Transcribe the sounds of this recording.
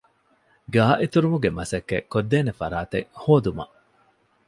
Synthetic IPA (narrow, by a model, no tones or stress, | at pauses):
ɡaːʔit̪uɾumuɡemɐsɐkːḛkːod̪ːeːnefɐɾaːt̪ehoːd̪umɐ̰ʔ